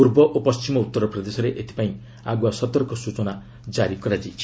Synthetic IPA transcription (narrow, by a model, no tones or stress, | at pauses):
puɾbɔʔopɔst͡ʃimɔut̪ːɔɾɔpɾɔd̪esɔɾeʔet̪ʰi̥paĩ | aɡwasɔt̪ɔɾɔkɔsut͡ʃɔna | d͡ʒaɾikɔɾad͡ʒi